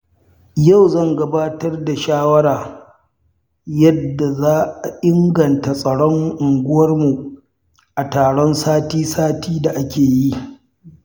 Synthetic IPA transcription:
ja˦˨wzɐ˦ŋɡɐ˦baː˦tɐ˦rda˨ʃaː˦wɐ˦ɽaː˨ | jɐ˦dːa˨zaː˦ʔa˨ʔɪ˦ŋɡɐ˨nta˨sʼɐ˨ɽɔ˦ŋʔʊ˨ŋɡʷʊ˦wɐ˦rmu˨ | ʔa˨taː˨ɽɔ˦nsaː˦tiː˦saː˦tiː˦da˨ʔa˦kʲeː˨ji˦

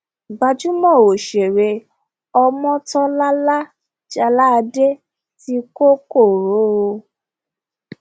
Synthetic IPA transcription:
ɡ͡ba˧d͡ʒũ˦mɔ̃˦˨o˨ʃe˨ɾe˧ | ɔ˧mɔ̃˦tɔ˦la˦la˦ | d͡ʒa˧la˦˧de˦ | ti˧˦ko˦ko˦˨ɾo˨˦o˧

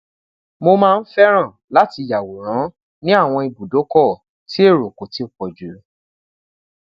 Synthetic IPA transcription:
mo˧mãː˦˧n̩˦fɛ˦ɾ̃ã˦˨la˨˦ti˧˨ja˨wo˨ɾ̃ã˨˦ | nĩ˦a˦˨w̃ɔ̃˧i˨bu˨do˨˦kɔ˦˨ | ti˦e˦˨ɾo˨ko˨ti˨˦o˨k͡pɔ˨d͡ʒu˨˦

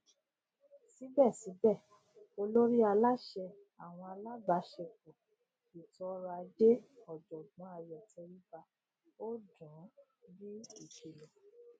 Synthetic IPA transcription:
si˨˦bɛ˦˨si˨˦bɛ˦˨ | o˧lo˦ɾi˦a˧la˦ʃɛ˧ | a˨w̃ɔ̃˧a˧la˦ba˨˦ʃɛ˧k̚u˨ | i˨tɔ˨˦ɾa˧d͡ʒe˦ɔ˨d͡ʒɔ˨ɡ͡bɔ̃˨˦a˧jɔ˨ti˧ɾi˦ba˧ | o˦dũ˨˦bi˦i˦˨ʃi˨lɔ˨

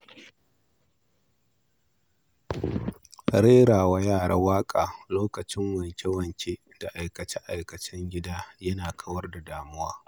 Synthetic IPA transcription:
ɾeː˦ɽaː˨wa˦jaː˦˨ɽa̰˦waː˦kʼaː˨loː˦kɐ˨t͡ʃɪ˦ŋwɐ˨nkʲe˦wɐ˨ŋkʲe˦ | d̥a˨ʔa˨jkɐ˨t͡ʃɛ˦ʔa˨jkɐ˨t͡ʃɪ˦ŋɡʲɪ˦daː˦jɐ˦naː˨kʰɐ˦wɐ˦rda˨daː˨mʊ˦waː˦

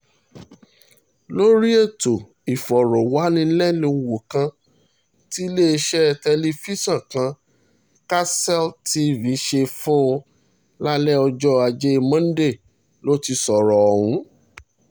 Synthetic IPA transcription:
lo˦ɾi˦e˦˨to˨ | i˨fɔ˨ɾɔ˨wa˨˦nĩ˧˦lɛ˦˨nĩ˧˨wo˨kã˧ | ti˦le˦e˧ʃɛ˦˧tɛ˧li˧fi˦sã˦˨kã˧ | ka˦sɛ˦˨lti˦vi˨˦ʃe˧fũ˦o˧ | la˦lɛ˦ɔ˧d͡ʒɔ˦a˧d͡ʒe˦˧mã˦n̩˦de˦˨ | lo˦ti˧sɔ˨ɾɔ˨ɔ˨hũ˨˦

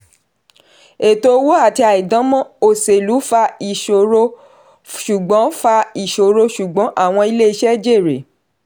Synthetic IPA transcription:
e˨to˧˦wo˦a˦˨ti˧a˨i˨dã˨˦mɔ̃˦o˨se˨lu˨˦fa˧i˨ʃo˨ɾo˧ | ʃu˨ɡ͡bɔ̃˨˦fa˧i˨ʃo˨ɾo˧ʃu˨ɡ͡bɔ̃˨˦ʔa˦˨w̃ɔ̃˧i˧le˦i˧ʃɛ˦d͡ʒe˦˨ɾe˨

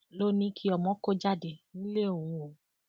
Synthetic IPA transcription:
lo˦nĩ˧˦kʰi˦ɔ˨mɔ̃˦ko˦d͡ʒa˦˨de˨nĩ˦le˦o˨wũ˨˧˦o˨

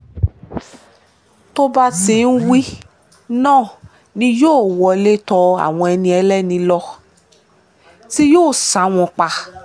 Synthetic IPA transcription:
to˦ba˦tĩ˧˦n̩˦wi˦ | nãː˦˨ | nĩ˧joː˦˨wɔ˧le˦tɔ˧a̰˨w̃ɔ̃˧ɛ˧nĩ˧ɛ˧lɛ˦˨nĩ˧lɔ˦ | ti˦joː˦˨sã˨˦w̃ɔ̃˧k͡pa˧

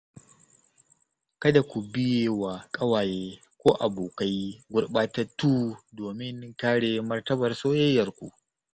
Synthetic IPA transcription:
kɐ˦da˨kʷu˨bɪ˦jeː˨waː˨kʼɐ˦waː˨jeː˦ | kʷoː˦ʔa˨boː˨ka˦jɡʷʊ˦rɓaː˦tɐ˦tuː˦doː˨mɪ˦ŋkaː˦ɽeː˨mɐ˦rtɐ˦bɐ˨rsoː˦jɐ˦jːɐ˨rkʷṵ˨ʔ

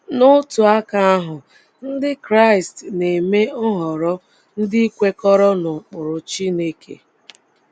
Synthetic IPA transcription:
nʊ˦tu˨a˦ka˦a˦ɦʊ˨ | n̩˦dɪ˦kɾa˦˨ɪ˨stne˨me˦ʊ˦ɦɔ˨ɾɔ˦ | n̩˦dɪ˦i˦kʷe˦kɔ˦ɾɔ˦nʊ˨k͡pʊ˨ɾʊ˨t͡ʃi˦ne˦kḛ˨

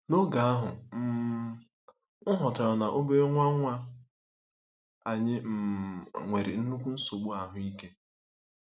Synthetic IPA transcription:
no˦ɡa˨a˦ɦʊ˨m̩˦ | ŋʊ˦ɦɔ˨tɔ˨a˨na˨ʔo˦be˦ŋʷa˦ŋʷa˦ | a˨ɲɪ˦m̩˨ŋʷe˨ɾɪ̰˨n̩˦nu˦kʷu˦n̩˦so˨ɡ͡bu˦a˨ɦʊ˨i˦ke˦

